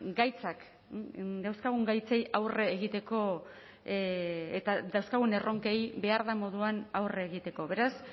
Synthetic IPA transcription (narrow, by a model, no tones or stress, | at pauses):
ɡajt͡sak | d̪awskaɣ̞uŋɡajt͡se̞jawreːɣit̪e̞ko̞ | et̪aðawskaɣ̞une̞ro̞ŋke̞jbe̞aɾðamo̞ðuanawreːɣit̪e̞ko̞βe̞ɾas